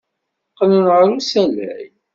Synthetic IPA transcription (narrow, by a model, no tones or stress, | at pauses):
qːənənʁɾusælæ̰j